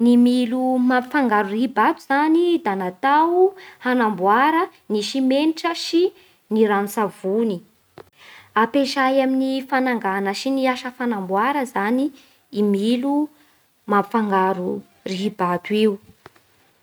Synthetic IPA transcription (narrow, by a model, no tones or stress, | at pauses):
nimilumamfaŋɡaɾuriɦibat̪uz̥anid̪anat̪awhanambuaɾə | niʃimeniʈ͡ʂəʃi | niɾanusavuni | apeʃajaminifanaŋɡanəʃiniaʃəfanambwaɾəzaniː | milu | mamfaŋɡaɾu | riɦibat̪uiu